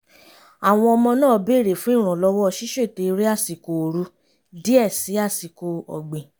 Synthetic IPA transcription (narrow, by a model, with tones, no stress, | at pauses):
a˨w̃ɔ̃˧ɔ˧mɔ̃˧nãː˦˨˧be˦˨ɾe˨fũ˦ĩ˦˨ɾ̃ɔ̃˨lɔ˧wɔ˦˧˨ʃi˦ʃe˦˨te˧ɾi˦a˦˨si˨ko˧˨ɾu˨˦ | di˦ɛ˦˨si˨˦a˦˨si˨ko˧ɔ̰˨ɡ͡bẽ˨